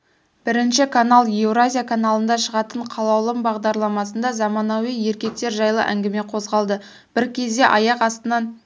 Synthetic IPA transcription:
b̥ɪɾɪnʃɪkʰanalˠje̞vɾazʲijakʰanalˠənd̪ɑʃəʁɑt̪əɴqʰɑlˠɑwlˠəmbɑʁd̪ɑɾlˠɑmɑsənd̪ɑzɑmɑnɑwije̞ɾkʲe̞k̚t̪e̞ɾʒɑjlˠə̰ʔæ̰ŋɡʲɪme̞qʰo̞zʁɑlˠd̪ə | b̥ɪɾkʲʰe̞zd̪e̞ʔɑjɑqɑst̪ənɑn

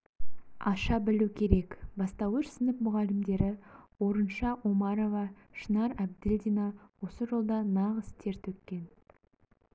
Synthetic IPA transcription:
ɑʃɑbɪlukʲʰe̞ɾe̞kbɑst̪ɑwɵɾsɪnɪpmʊʁɑlɪmd̪e̞ɾɪwo̞ɾənʃɑʔomɑɾo̞vɑ | ʃənɑɾæb̚d̪elʲd̪ʲinɑwo̞səʒo̞lˠd̪ɑnɑʁəst̪ʰe̞ɾt̪ʰɵkʲkʲːe̞n

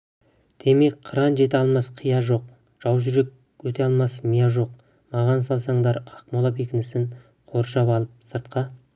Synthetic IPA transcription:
d̪̥e̞me̞kqʰːəɾɑnʒe̞t̪̬ɪɑlˠmɑsqʰijɑʒo̞q̚ | ʒ̥ɑwʒʏɾe̞kʲ | wɵt̪eɑlˠmɑsmijɑʒo̞q̚ | mɑʁɑnsɑlˠsɑɴd̪ɑɾɑqmolˠɑpe̞kʲɪnɪsɪɴ | qʰo̞ɾʃɑpɑlˠəp̚səɾt̪̚qɑ

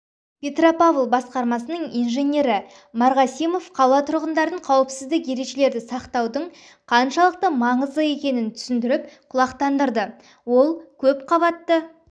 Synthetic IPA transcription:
pʲe̞t̪ropavlˠbɑsqɑɾmɑsənəɴijnʒe̞nʲe̞ɾɪ | mɑɾʁɑsijmo̞fqʰɑlˠɑt̪ʰʊɾʁənd̪ɑɾəɴqʰɑwəpsɪzd̪ɪkje̞ɾe̞kʃe̞le̞ɾd̪ɪsɑqt̪ɑwd̪əɴ | qʰɑnʃɑlˠəq̚t̪əmɑɴəzd̪əe̞kʲe̞nɪnt̪ʰʏ̥sɪnd̪ɪɾɪp̚qʰʊlˠɑqt̪ɑnd̪əɾd̪ə | wo̞lˠkʲʰɵp̚qʰɑβɑt̪ːə

